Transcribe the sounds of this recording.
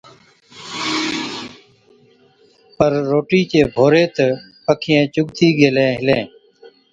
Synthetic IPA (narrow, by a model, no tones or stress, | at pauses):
pəɾːoːʈiːt͡ʃeːbʱoːɾeːt̪ə | pəkʰɪjẽːt͡ʃʊɠt̪ʰiːɡeːlẽːɦɪlẽː